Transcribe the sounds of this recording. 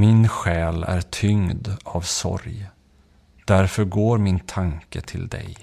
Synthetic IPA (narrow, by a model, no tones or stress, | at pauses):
mɪnɧɛːlæ̰ɾʈʰʏŋd̪avsɔ̰ɾj | d̪̥æɾfœɾɡoːɾmɪnt̪ʰaŋkət̪ʰɪld̪ɛ̰j